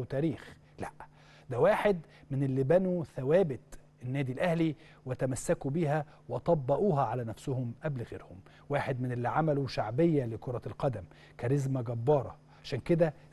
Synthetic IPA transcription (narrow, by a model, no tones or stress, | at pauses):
t̪æːɾiːx | læʔ | d̪æwaːħed̪ | mɪnʔelːibænuθæwæːbɪt̪ | enːæːd̪ilʔæhli | wɪt̪æmæsːækubiɦæ | weʔɑt̪ˤɑbːɑʔuːɦɑʕalænæfsʊhʊmʔæblɣḛːɾhʊm | waːħed̪mɪnelːiʕamæluʃaʕbejːælekoɾˤɑlqɑd̪æm | kæɾezmæɡæbːɑːɾˤɑ̰ | ʕaʃæːnked̪æ